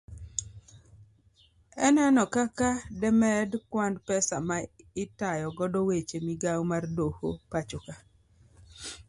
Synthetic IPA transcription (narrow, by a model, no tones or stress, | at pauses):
ɛnɛnɔkakadɛmɛdkwandpɛsamaɪtajɔɡɔdɔwet͡ʃemiɡawmardoho̰pat͡ʃʊka